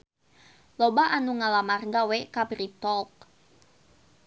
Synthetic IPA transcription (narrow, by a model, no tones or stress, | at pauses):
lɔbaʔanuŋalamarɡawekabɾit̪ɔlk̚